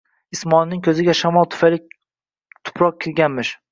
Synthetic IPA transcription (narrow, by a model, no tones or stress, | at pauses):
ɪsmɒnnɪŋkʲʰɵzɪɡʲaʃamɒlˠt̪ʰʊ̥fajlɪ | t̪ʰʊ̥pʰɾɒq̚kʲʰɪlɡʲanmɪʃ